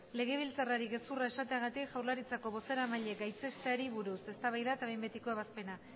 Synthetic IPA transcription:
le̞ɣ̞e̞βilt͡saraɾiɣe̞suraesat̪e̞aɣ̞at̪ikʝawɾlaɾit͡sako̞βo̞se̞ɾamaʎe̞ɡajt͡se̞st̪e̞aɾiβuɾuse̞st̪aβajðaet̪aβe̞jmbe̞t̪iko̞eβaspe̞na

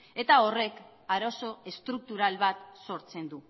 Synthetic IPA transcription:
e̞t̪ao̞re̞k | aɾo̞so̞est̪ɾuk̚t̪uɾalβat̪so̞ɾt͡se̞nd̪u

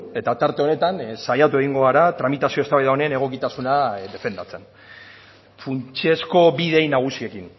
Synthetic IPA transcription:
e̞t̪at̪aɾt̪e̞o̞ne̞t̪ansajat̪ue̞ɣiŋɡo̞ɣaɾat̪ɾamit̪asio̞st̪aβajðaonene̞ɣ̞o̞kit̪asunad̪e̞fe̞nd̪at͡se̞n | funt͡ʃe̞sko̞βiðe̞jnaɣ̞usie̞kin

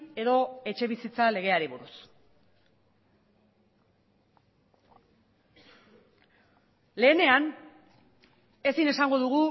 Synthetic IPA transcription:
e̞ðo̞e̞t͡ʃe̞β̞isit͡sale̞ɣ̞e̞aɾiβ̞uɾus | le̞ːne̞an | e̞sine̞saŋɡo̞ðuɣ̞u

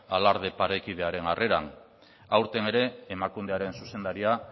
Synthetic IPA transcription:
alaɾð̞e̞paɾekið̞e̞aɾe̞narʔe̞ɾa̰n | awɾt̪e̞ne̞ɾe̞ːmakund̪e̞aɾe̞nsuse̞nd̪aɾia

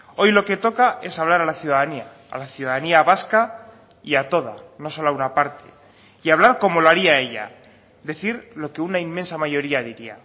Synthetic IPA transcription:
o̞jlo̞ke̞t̪o̞kae̞saβ̞laɾalaθjuð̞aðania̰ːlaθjuðaðaniaβaska | iat̪o̞ð̞a̰no̞so̞launapaɾt̪e | iaβlaɾko̞mo̞loaɾiae̞ʎa̰ | d̪e̞θiɾlo̞ke̞unaimːensamaʝo̞ɾiaðiɾia̰

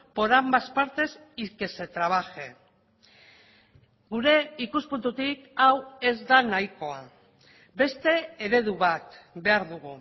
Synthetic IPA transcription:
po̞ɾambaspaɾt̪e̞s | ike̞se̞t̪ɾaβ̞axe̞ | ɡuɾe̞ikuspunt̪ut̪ikawe̞zd̪anajko̞a̰ | be̞st̪e̞ːɾe̞ðuβat̪be̞aɾðuɣu

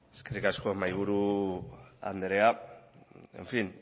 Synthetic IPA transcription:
e̥ske̞rikasko̞majɣ̞uɾu | a̰nd̪eɾea | e̞̰ɱfin

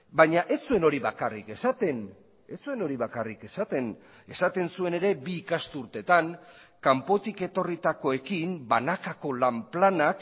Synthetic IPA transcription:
bajɲaʔe̞sue̞no̞ɾiβakarike̞sat̪e̞n | esue̞no̞ɾiβakarike̞sat̪e̞n | e̞sat̪e̞nsue̞ne̞ɾe̞biːkast̪uɾt̪e̞t̪aŋkampo̞t̪ike̞t̪o̞rit̪ako̞e̞kimbanakako̞lamplanak

